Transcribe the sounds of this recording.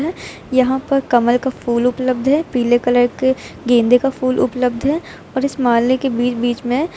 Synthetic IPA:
ɦɛː | jɐɦãpɐɾkɐməlkafuːlʊpləb̚d̪ʱɦɛːpiːlekɐləɾke | ɡẽːnd̪ʱekafuːlʔʊ̰pləb̚d̪ʱɦɛː | ɔːɾɪsmaːlekebiːt͡ʃbiːt͡ʃmẽ

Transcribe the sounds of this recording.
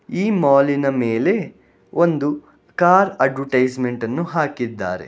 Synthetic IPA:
iːmaːlinɐmeːle̞ | ʔond̪u | kaːɾɐɖʋɐʈɐjd͡ʒme̞ɳʈɐnːuɦaːkid̪ːa̰ːɾḛ

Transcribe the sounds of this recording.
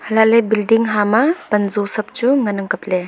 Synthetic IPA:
hɐlalebildiŋɦamab̥ɐnzusɐp̚t͡ʃuŋɐnɐŋkɐple

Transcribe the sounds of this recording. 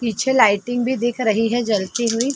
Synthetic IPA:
piːt͡ʃʰelaːɪʈɪ̃ŋɡbʱid̪eːkʰɾɐɦiɦɛd͡ʒɐlt̪iɦuiː

